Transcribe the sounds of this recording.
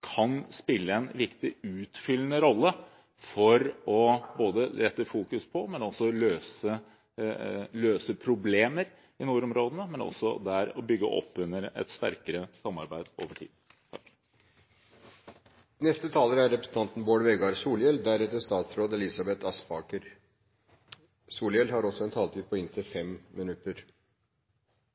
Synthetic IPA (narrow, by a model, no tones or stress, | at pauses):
kʰɑnspɪlːəɛnʋɪkt̪ɪʉːt̪fʏlːənəɾɔlːə | fɔɾɔboːd̪əɾɛt̪ːəfuːkʉspʰɔmɛnɑlsɔløːsə | løːsəpʰɾʊbleːməɾ | ɪnuːɾɔmɾoːd̪ənəmɛnɑ̰lsɔ̰d̪æɾɔbʏɡːə̰ʔɔ̰pːʉnːəɾɛ̰t̪st̪æ̰ɾkəɾəsɑmːɑɾbæɪd̪o̰ːʋəʈʰḭːd̪ | t̪ʰɑk | nɛst̪ət̪ʰɑːləɾəæɾɛpɾə̥sn̩t̪ɑnt̪n̩boːɖʋɛɡɑɾsuːljɛld̪æɾɛt̪ːəʂt̪ɑːt̪sɾoːd̪ɛlɪsɑbɛt̪ʰɑspɑːkəɾ | suːljɛlhɑɾɔsɔɛnt̪ʰɑːlt̪ʰiːd̪̚pʰɔɪnt̪ʰɪfɛmmɪnʉt̪ːəɾ